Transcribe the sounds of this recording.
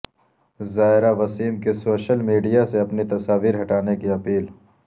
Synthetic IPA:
zaːɪɾaʋɐsiːmkesoːʃəlmiːɖijaseɐpnit̪ɐsaːʋiːɾɦɐʈaːnekiɐpiːl

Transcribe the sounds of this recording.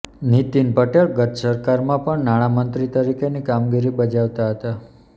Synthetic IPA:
nit̪inpəʈeɭɡət̪səɾkaɾmãpəɳnaɽ̃amənt̪ɾit̪əɾikenikamɡiɾibəd͡ʒaʋt̪aɦət̪a

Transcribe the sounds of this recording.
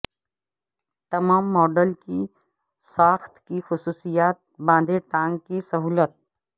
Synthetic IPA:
t̪ɐmaːmːɔːɖəlki | saːxt̪kixʊsuːsijaːt̪̚bãːnd̪eʈãːŋɡkisɐɦuːlət̪̚

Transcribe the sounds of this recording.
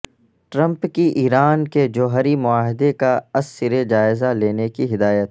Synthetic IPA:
ʈɾə̃mpkiʔiːɾaːnked͡ʒoːɦəɾimʊaːɦɪd̪ekaɐsːɪɾed͡ʒaːɪzaleːnekiɦɪd̪aːjət̪

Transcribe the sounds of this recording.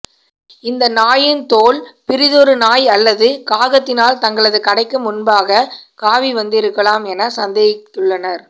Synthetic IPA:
ɪnd̪ɐnaːjɪnt̪oːlpɪɾɪðɔɾɯnaːjɐlːɐðɯkaːɣɐt̪ːɪnaːlt̪ɐŋɡɐɭɐðɯkɐɽɐɪkːɯmʊnbaːɣɐkaːʋiʋɐnd̪ɪɾɯkːɐlaːmɛnɐsɐnd̪ɐjɐt̪ːɯɭːɐnɐɾ

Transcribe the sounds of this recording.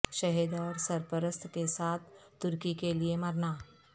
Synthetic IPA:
ʃɐɦeːd̪ɔːɾsəɾpəɾəst̪ʰkesaːt̪̚ʰ | t̪ʊɾkikeliemɐɾnaː

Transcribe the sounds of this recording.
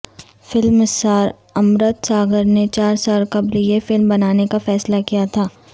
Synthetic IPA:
fɪlmsaːɾ | ɐmɾət̪saːɡəɾnet͡ʃaːɾsaːlkɐblijefɪlmbɐnaːnekafɛːslakijat̪ʰaː

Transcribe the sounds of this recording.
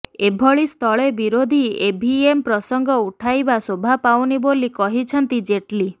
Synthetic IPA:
ebʱɔɭist̪ʰɔɭebiɾod̪ʱiebʱiempɾɔsɔŋɡʱɔuʈʰajbasobʱapawnibolikɔɦit͡ʃʰɔnt̪id͡ʒeʈli

